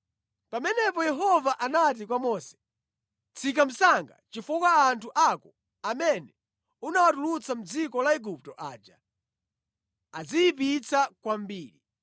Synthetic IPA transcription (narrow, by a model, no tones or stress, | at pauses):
pamɛnɛpɔjɛɦɔvaʔanat̬ikwamɔsɛ̥ | t͡sʰik̬am̩saŋɡa̰t͡ʃifukaːntʰuʔakɔ | amɛnɛ | unawatulut͡sʰam̩d͡zikɔlaɛɡup̚tɔʔaːd͡ʒa | ad͡zijipit͡sakwambiːɾi